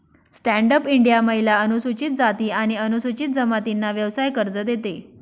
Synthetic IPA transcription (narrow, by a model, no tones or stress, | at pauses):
sʈæɳɖəpiɳɖijaməɦjilaənusut͡ɕit̪̚d͡zat̪iːaɽ̃iənusut͡ɕit̪̚d͡zəmat̪inːaʋjəʋsajkəɾd͡zəd̪et̪e